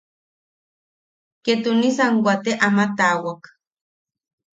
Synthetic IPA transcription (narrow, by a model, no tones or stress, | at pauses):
ket̪unisaŋwʷat̪eʔamat̪awak